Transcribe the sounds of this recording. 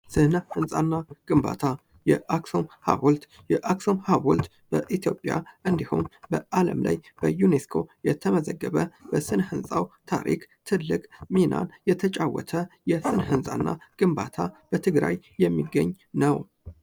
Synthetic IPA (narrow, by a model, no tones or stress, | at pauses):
sɨnhɨnsʼanːaɡ̥ɨmba̰t̪ʰa | jɛʔaksomha̰wult̪ | jɛʔakso̞mhaβult̪ | b̥əʔit̪ʰijo̞pʼja̰ʔɨnd̪iho̰nbəʔalə̰mlʔa̰jb̥əjuneskʰo̞jɛt̪ʰəməzəɡːəβəbəsɨnhɨnsʼawt̪ʰaɾʔḭkt̪ʰɨlːɨkʼmina̰njɛt̪ʰət͡ʃʼawɔt̪ʰəjɛsɨnhɨnsʼa̰nːaɡ̥ɨmbat̪ʰab̥ət̪ʰɨɡɾajːɛmːiɡːəɲː | nəw